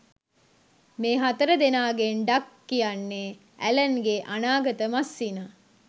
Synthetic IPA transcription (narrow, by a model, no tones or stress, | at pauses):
meːɦat̪əɾəd̪enaːɡenɖakːijanːe | ælənɡeʔanaːɡət̪əmasːina